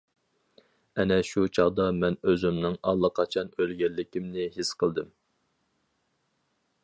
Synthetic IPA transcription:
ɛnɛʃut͡ʃʰɑʁd̪ɑmɛnøzymnɪŋɑlˠːəqʰɑt͡ʃʰɑnølɡʲɛlːɪkʲimnɪɦɪsqʰəlˠd̪ɨm

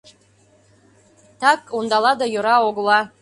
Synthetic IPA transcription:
t̪ɑkond̪ɑlɑd̪ɑjoɾɑoɣlɑ

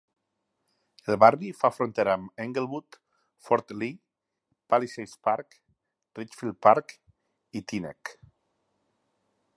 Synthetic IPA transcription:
elˠβarifafɾont̪eɾaːmeŋɡelβut̪ | fɔɾt̪li | palisejspaɾk | rit͡ʃfilpaɾk | it̪inḛk

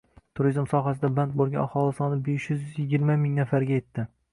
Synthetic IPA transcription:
t̪ʰʊɾizmsɒɦasɪd̪aband̪̚bolˠɡʲa̰nahɒlˠɪsɒnɪbeʃjʏzjʏzjɪɡʲɪɾmamɪŋnafaɾɡʲaje̞t̪ʰːɪ

